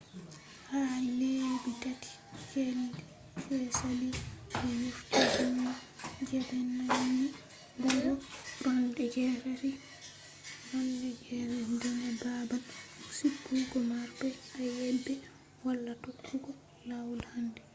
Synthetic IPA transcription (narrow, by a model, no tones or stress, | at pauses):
halebitatʰi̥ | kɛldɛ | fɛsaliɔjuftid͡ʒɔnːad͡ʒɛbɛnːawoni | ɡɔɾɔɾɔndɛɡɛɾɛɾi | ɾɔndɛɡɛɾɛɾdɔnababansukːuɡɔmaɾbɛajɛbːɛ | walːatokːuɡɔ | jawulhandɛ